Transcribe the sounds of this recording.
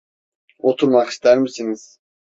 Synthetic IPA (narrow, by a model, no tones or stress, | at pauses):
ot̪ʰuɾmɑqi̥st̪æɾmisiniz̥